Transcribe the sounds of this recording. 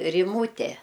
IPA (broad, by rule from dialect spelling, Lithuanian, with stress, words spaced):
rʲɪˈmuːtʲɛ